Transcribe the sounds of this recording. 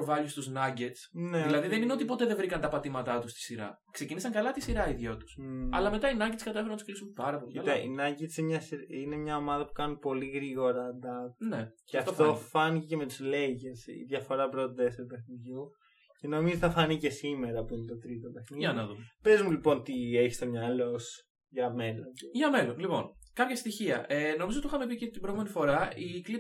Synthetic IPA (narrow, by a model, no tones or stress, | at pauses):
ovɐʎust̪uznɐɟet̪sneilɐðiðenineot̪ipo̞t̪eðevɾikɐnt̪ɐpɐt̪imɐt̪ɐt̪ust̪i̥siɾɐ̰ | kse̞cinisɐŋkɐlɐt̪isiɾɐiðʝot̪u̥sɐ̰lɐmet̪ɐinɐɲɟet̪skɐt̪efɾnɐt̪u̥sklisumpɐɾɐpoliit̪ɐḭnɐɲɟet̪semɲɐsiɾine̞mɲɐo̞mɐðɐpu̥kɐnupo̞liɣɾiɣo̞ɾɐːnd̪ɐneceɐft̪t̪o̞fɐniceceme̞t̪uzleʝesḭðʝɐfo̞ɾɐpɾot̪oðeseɾop̪e̞xniðʝu | ce̞no̞mizot̪ɐfɐnice̞sime̞ɾɐpuinit̪o̞t̪ɾit̪opexniiɐnɐðumpezmulipo̞nt̪ieçist̪o̞mɲɐlo̞s | ʝɐme̞lo̞nʝɐmelonlipo̞̰nkɐpçɐst̪içiɐ̰ʔeno̞mizot̪ixɐmepicet̪ibɾo̞menifo̞ɾɐikli